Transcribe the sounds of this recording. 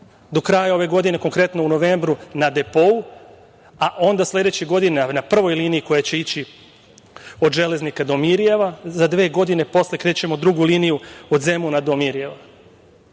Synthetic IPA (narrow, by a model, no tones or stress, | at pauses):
d̪o̞kɾajao̞ʋe̞ɡo̞d̪ine̞ko̞ŋkɾe̞t̪no̞uno̞ʋe̞ːmbɾunad̪e̞po̞u | aʔo̞nd̪aslʲe̞d̪et͡ɕeɡo̞d̪inenapr̩ʋojliːniiko̞jat͡ɕe̞it͡ɕi | o̞d̪ʒe̞le̞znikad̪o̞miɾije̞ʋazad̪ʋe̞ːɡo̞d̪ine̞po̞slʲekɾe̞ːt͡ɕe̞mo̞d̪ɾuɡuliːnijuo̞d̪ze̞munad̪o̞miɾije̞ʋa